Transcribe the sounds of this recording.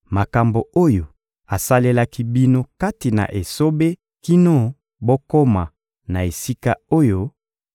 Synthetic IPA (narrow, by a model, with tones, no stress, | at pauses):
ma˨ka˨mbo˨o˦jo˨ | a˨sa˦le˦la˦ki˦bi˦no˦ka˦ti˨na̰˨ʔe˨so˦be˦ | ki˦no˦ | bo˦ko˦ma˨ | na˨e˨si˦ka˦o˦jo˦